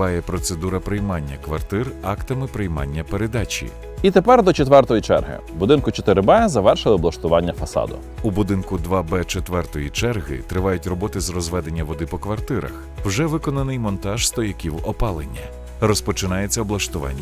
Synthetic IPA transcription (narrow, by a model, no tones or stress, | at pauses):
ɑjɛpɾɔt̪se̞d̪uɾɐpɾɪjmɑnʲːɐkʋɐrt̪ɪrɑkt̪ɐmɪpɾɪjmɑ̰nʲːɐpeɾed̪ɑt͡ʃʲḭ | it̪epɛrd̪ɔt͡ʃet̪ʋɛrt̪ɔjit͡ʃɛ̰rɦɪ̰bʊd̪ɪnkʊt͡ʃɔt̪ɪɾɪbɛzɐʋɛrʃɪlˠɪɔblɐʃt̪ʊʋɑnʲːɐfɐsɑ̰d̪ʊ̰ | ubʊd̪ɪnkʊd̪ʋɑbɛt͡ʃet̪ʋɛrt̪ɔjit͡ʃɛrɦɪ̰t̪ɾɪʋɑjʊtʲrɔbɔt̪ɪzrɔzʋɛd̪e̞nʲːɐʋɔd̪ɪpɔkʋɐrt̪ɪɾɐ̰x | wʒɛʋɪkɔnɐnɪjmɔnt̪ɑʒ̥st̪ɔjɐkʲiwɔpɑlˠenʲːɐ | rɔspɔt͡ʃɪnɑjet͡sʲːɐɔblˠɐʃt̪ʊʋɑ̰nʲːɐ